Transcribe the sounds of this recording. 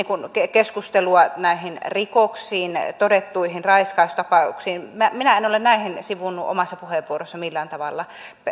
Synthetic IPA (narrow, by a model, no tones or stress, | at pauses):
iːŋkunkekeskust̪eluɑnæihinrikoksiːnt̪odet̪ːuihinrɑiskɑust̪ɑpɑṵksiːnmæminæenolennæihinsiʋunːuʔo̰mɑsːɑpuheʋʋuorosːɑmilːæːˑnt̪ɑʋɑlːɑ